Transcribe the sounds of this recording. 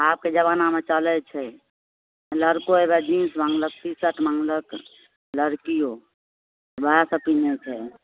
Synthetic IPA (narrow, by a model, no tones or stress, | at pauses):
aːp̚ked͡ʒəβanamet͡ʃəlɛt͡ʃʰɛ | ləɾkoebed͡ʒinsmãŋɡlək̚tisəʈʰmaŋlək | ləɾkijo | bʱəjasəpinet͡ʃʰɛ